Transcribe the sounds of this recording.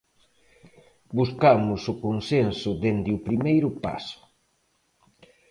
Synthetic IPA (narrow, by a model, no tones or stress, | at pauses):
buskamʊsʊkonsensʊdend̪ɪʊpɾimejɾʊpa̰sʊ̥